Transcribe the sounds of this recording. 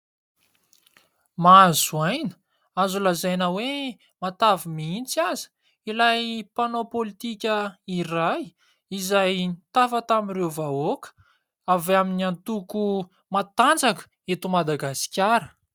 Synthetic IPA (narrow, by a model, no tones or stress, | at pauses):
mazuajnə̥ | azulazajnəwe | mat̪avimiint͡siazi̥ | ilajpanopolit̪ikʲəiraj | izajt̪afət̪amirewvaokə̥ | avaminiant̪uku | mat̪and͡zakə̥ | et̪umad̪aɡasi̥kʲaɾə